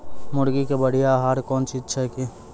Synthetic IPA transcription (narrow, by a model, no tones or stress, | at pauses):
mʊɽɡikebɐɽ̤ijaɦaːɾkɔːnt͡ʃʰitːʃʰaki